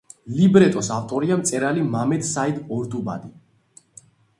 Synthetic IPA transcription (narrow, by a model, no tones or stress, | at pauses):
libɾɛt̪ʼɔsaft̪ʼɔɾiamt̪sʼɛɾalimamɛd̪said̪ɔɾd̪uba̰d̪i